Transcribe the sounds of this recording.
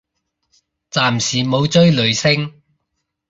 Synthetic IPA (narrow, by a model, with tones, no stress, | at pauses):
t͡saː˨msiː˨˩mo˨˧wt͡sɵ˥ɥlɵ˨˧ɥsɪ˥ŋ